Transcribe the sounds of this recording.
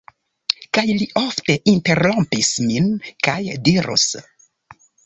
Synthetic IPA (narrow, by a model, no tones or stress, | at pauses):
kajliʔo̞fte̞ʔinte̞ɾlompisminkajdiɾṵs